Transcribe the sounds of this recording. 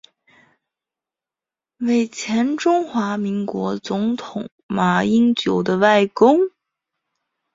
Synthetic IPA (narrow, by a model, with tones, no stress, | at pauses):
we˨˩ɪt͡ɕʰjɛ˧˥nʈ͡ʂʊ˥ŋxwa˧˥mi˧˥ŋkwɔ˧˥t͡sʊ˧˥ŋt̪ʰʊ˨˩˦ŋ | ma˨˩i˥ŋt͡ɕjo˨˩ʊd̪ə˦wa˥˩ɪkʊ˥ŋ